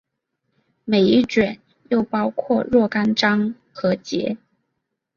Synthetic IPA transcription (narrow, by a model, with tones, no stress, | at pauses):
me˨˩ɪi˥˩ʈ͡ʂɥɛ˨˩˦n | jo˥˩ʊpɑ˥ʊkʰwɔ˥˧ɻwɔ˥˩ka˥nʈ͡ʂɑ˥ŋ | xɤ˧˥t͡ɕjɛ̰˧˥